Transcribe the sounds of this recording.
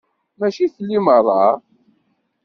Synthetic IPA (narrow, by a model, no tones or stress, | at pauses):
mæʃiθlːimərˤːɑ